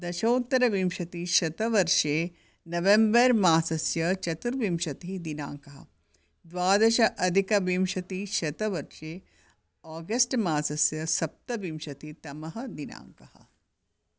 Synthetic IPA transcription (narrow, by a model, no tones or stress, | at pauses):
d̪ɐʃɐːt̪ːɐɾɐʋimʃɐt̪iʃɐt̪ɐʋɐɾʃeː | nɐʋembɐɾmaːsɐsjɐt͡ʃɐt̪uɾʋimʃɐt̪iɦd̪ina̰ːŋkɐɦɐ̰ | d̪ʋaːd̪ɐʃɐʔɐd̪ʱikɐʋimʃɐt̪iʃɐt̪ɐʋɐɾʃeː | aːɡɐsʈmaːsɐsjɐsɐp̚t̪ɐʋimʃɐt̪it̪ɐmɐɦɐd̪ina̰ːŋkɐhɐ̰̆